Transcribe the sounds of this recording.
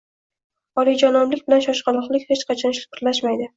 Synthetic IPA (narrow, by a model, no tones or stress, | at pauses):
ɒlid͡ʒanɒmlɪkʲbɪlanʃɒʃqʰɑlˠɒχlɪkʲhet͡ʃqʰɑt͡ʃʰɒnʃʊ̥pʰɪɾlaʃmajd̪ɪ